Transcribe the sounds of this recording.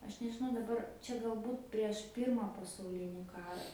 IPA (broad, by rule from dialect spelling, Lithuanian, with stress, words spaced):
ˈɐʃ nʲɛʒʲɪˈnɐʊ dɐˈbɐr ˈt͡ʃʲɛ ɡɐlˠˈbuːt pʲrʲiɛʃ ˈpʲiːrmɐ pɐsɐʊˈlʲɪnʲɪ ˈkɑːrɐ